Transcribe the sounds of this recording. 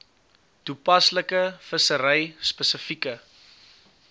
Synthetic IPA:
tupɐsləkəfəsəɾɛjspəsəfikə

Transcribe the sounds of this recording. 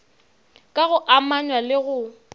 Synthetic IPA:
kʼaɣʊʔamaɲwalɪɣʊ

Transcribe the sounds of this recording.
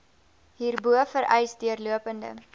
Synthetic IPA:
ɦiːrbuəfəɾʔɛjsdiərluəpəndə̰

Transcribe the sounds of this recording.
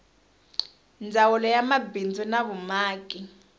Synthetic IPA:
nd͡zʱawɔlɔjamabʱind͡zʱunaβumaːkʼi

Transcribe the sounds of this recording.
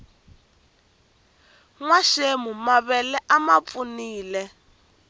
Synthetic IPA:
ŋwaʃemumaβɛlɛʔamap̪funiːlɛ

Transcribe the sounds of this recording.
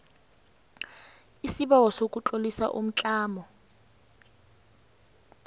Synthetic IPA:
isiɓawɔsokʼut͡ɬʼolisa̰ʔṵm̩t͡ɬʼaːmɔ

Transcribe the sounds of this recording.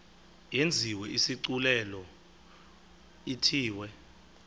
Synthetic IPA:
jend͡zʱiwɛʔisiǀulɛlɔ | itʰiːwɛ

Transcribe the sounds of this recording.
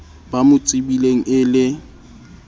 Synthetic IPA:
bamʊt͡sʼɪbileŋ̩ɪlɪ

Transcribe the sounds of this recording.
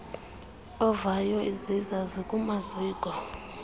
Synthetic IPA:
ɔvajɔizizazikʼumaziːɡ̥ʱwa

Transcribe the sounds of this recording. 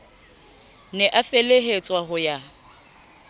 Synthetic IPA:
nɛʔafeleɦet͡sʼwaɦʊja

